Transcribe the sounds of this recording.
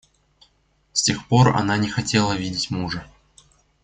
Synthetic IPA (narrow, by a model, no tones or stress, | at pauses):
sʲtʲe̞xpo̞rɐ̰nanʲɪxɐtʲe̞lˠəvʲidʲɪtʲmuʐə